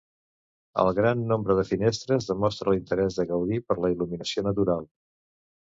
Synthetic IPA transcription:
ə̰lˠɣɾanːombɾəðəfinest̪ɾəzðəmɔst̪ɾəlint̪əɾɛzðəɣəwðipəɾləiluminəsionət̪̬uɾalˠ

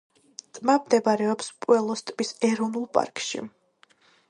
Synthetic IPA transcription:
t̪ʼmamd̪ɛbaɾɛɔpspʼwɛlˠɔst̪ʼmisɛɾɔvnulˠpʼa̰ɾkʼʃḭ

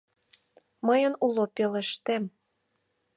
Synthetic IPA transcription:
məjənulopeleʃt̪em

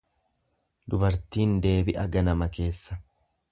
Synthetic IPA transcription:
d̪ʊbɐɾt̪iːnd̪e̞ːbɪʔɐɡɐnɐmɐke̞ːsːɐ̥

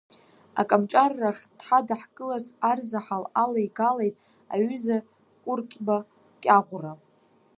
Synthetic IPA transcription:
a̰kʼamt͡ʃʼarːaχʲd̥ħadaħkʼɨlat͡sʰʼarzaħalalajɡalejtʼ | a̰ɥʏza | kʷʼʊrkʲʼba | kʲʼaʁʷra

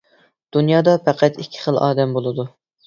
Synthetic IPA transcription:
d̪̥unjɑːd̪ɑpʰæqʰæt̪ikʲʰːɪ̥χəlˠɑ̰ːd̪ɛmbolˠɨd̪u

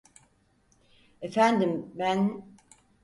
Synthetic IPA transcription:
efænd̪imbæn

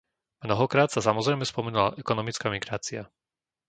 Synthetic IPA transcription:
mnɔɦɔkɾaːt̪sasamɔzɾɛjmɛspɔmɛnula̰ʔɛkɔnɔmit͡skamiɡɾaːt͡sia

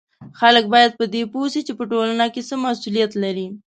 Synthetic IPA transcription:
xalək̚bɑjad̪̚pəd̪eposit͡ʃepəʈolanakesəmasulijat̪laɾi

